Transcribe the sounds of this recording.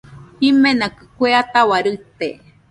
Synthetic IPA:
himenakɨkʷeat̪awaɾɨt̪e

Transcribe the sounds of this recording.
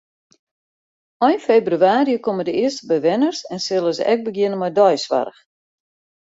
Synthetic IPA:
ɔjnfebryaːɾiəkomədəɪəstəbɛjʋɪnərsɛnsɪlˠəzə̰ʔɛk̚bəɡjɪnənmɔjdɔjsʋa̰rəx

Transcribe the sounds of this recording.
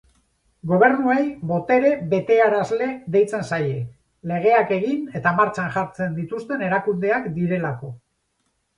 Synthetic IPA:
ɡo̞β̞e̞ɾnuejβo̞t̪e̞ɾe̞βe̞t̪e̞aɾazle̞ðe̞jt͡se̞nsaje̞ | le̞ɣ̞e̞ake̞ɣine̞t̪amaɾt͡ʃanʝaɾt͡se̞nd̪it̪ust̪e̞ne̞ɾakund̪e̞akd̪iɾe̞lako̞

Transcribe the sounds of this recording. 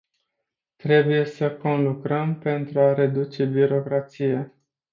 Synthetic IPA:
t̪ɾe̞buje̞səko̞nlukɾəmpe̞nt̪ɾuaɾe̞d̪ut͡ʃe̞biɾo̞kɾat̪sije̞

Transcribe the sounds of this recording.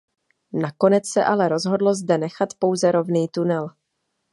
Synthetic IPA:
nako̞nɛt͡ssɛʔalɛɾo̞zɦo̞dlo̞zdɛnɛxat̪po̞wzɛɾo̞vniːt̪unɛl

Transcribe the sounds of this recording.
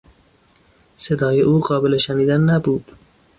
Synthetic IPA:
sɪd̪ɑːjeʔoqɑːbɪleʃanid̪anːabud̪

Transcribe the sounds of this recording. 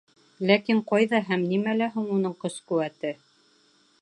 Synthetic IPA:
lækiɴqɑjðɑɦæmnimælæɦuɴunɤɴqɤ̆skʉwæt̪ɘ

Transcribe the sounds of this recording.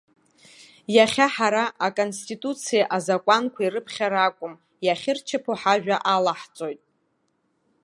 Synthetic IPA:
jaχʲaħaɾaʔakʼo̞nstʼitʼut͡sʰijaʔazakʷʼankʷʰairɨpʰχʲaɾakʷʼʊm | jaχʲɪrt͡ʃʰɪpʰoħaʒᶣaʔalaħt͡sʼo̞jtʼ

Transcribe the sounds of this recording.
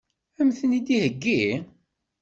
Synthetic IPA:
æmθənid̪ihəɡːi

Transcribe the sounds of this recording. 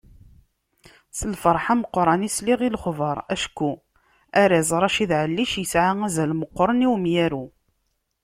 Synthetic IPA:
səlfəɾˤħaməqːɾˤɑnisliʁilχvəɾˤæʃkːu | æɾɪzˤɾˤɑʃiðʕəlːiʃjəsʕaæzælməqːɾˤəniwmjæɾu

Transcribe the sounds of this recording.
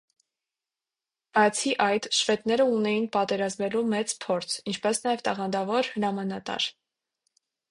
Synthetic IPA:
b̥ɑjt͡sʰiʔɑjt̪ʃvɛt̪nɛɾəunɛjinpɑt̪ɛɾɑzmɛlumɛt͡spʰɔɾt͡sʰint͡ʃʰpɛsnɑjɛvt̪ɑʁɑnd̪ɑvɔɾhəɾɑmɑnɑt̪ɑ̰ɾ

